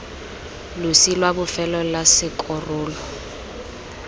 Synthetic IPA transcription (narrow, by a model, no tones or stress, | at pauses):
lʊsilwabʊfɛlɔlasɪkʼɔrʊːlɔ